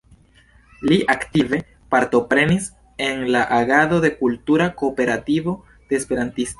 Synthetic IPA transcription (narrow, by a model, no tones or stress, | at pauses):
liʔaktive̞ | paɾto̞pɾe̞nis | e̞nlaʔaɡado̞de̞kultuɾako̞ːpe̞ɾativo̞ | d̥e̞ːspe̞ɾantisto